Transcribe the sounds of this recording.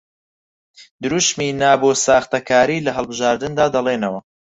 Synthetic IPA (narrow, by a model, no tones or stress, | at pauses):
d̪ɨɾuʃmiːnaːboːsaːxt̪ɐkʰaːɾiːlɐɦɐlˠbɨʒaːɾd̪ɨnd̪aːd̪ɐlˠeːnɐwɐ